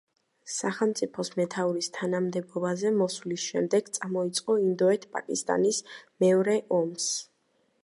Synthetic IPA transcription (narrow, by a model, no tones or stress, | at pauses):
saχɛlˠmt̪sʼipʰɔsmɛt̪ʰauɾist̪ʰanamd̪ɛbɔbazɛmɔslisʃɛmd̪ɛɡ̥t̪sʼamɔit̪sʼqʼɔind̪ɔɛt̪ʰpʼa̰kʼist̪ʼa̰nismɛɔɾɛʔɔms